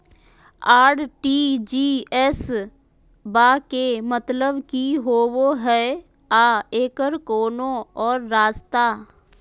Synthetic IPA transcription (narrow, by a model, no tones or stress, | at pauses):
aːɽʈiːd͡ʒiːɛs | baːkemət̪ləbkiɦoːwoɦɛ | aːeːkəɾkoːnõɔːɾːaːst̪aː